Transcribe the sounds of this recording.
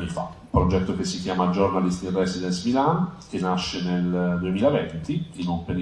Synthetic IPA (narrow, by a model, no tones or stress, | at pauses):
nːifa̰upɾod͡ʒɛt̪ːokesːikjaːmad͡ʒornalist̪irɛsid̪ɛnsmilank̟enːaʃːeneld̪uemiːlavɛnt̪iinumpeɾ